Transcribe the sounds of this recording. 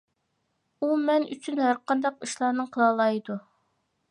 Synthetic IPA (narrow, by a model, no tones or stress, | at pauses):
umɛny̰t͡ʃʰynhæɾqɑnd̪ɑqiʃlˠɑːnɨɴqʰəlˠɑlˠɑjd̪u